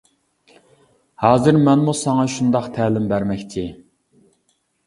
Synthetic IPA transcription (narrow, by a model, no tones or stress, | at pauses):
hɑːzɨɾmɛnmusɑŋɑʃund̪ɑqt̪ʰɛːlɪmbæɾmɛkʲt͡ʃʰɪ